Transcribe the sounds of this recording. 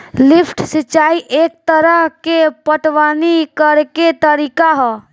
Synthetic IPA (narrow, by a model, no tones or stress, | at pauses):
lɪpʰʈsɪt͡ʃaːiʔeːk̚t̪əɾəɦkepəʈʋaːnikəɾket̪əɾiːkaɦɔ